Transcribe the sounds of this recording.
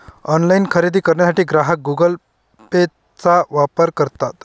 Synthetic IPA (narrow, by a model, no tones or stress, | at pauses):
ɔnlainkʰəɾid̪iːkəɾɳjasaʈiːɡɾaɦək̚ɡuɡəl | pe | t͡saʋapəɾkəɾt̪at̪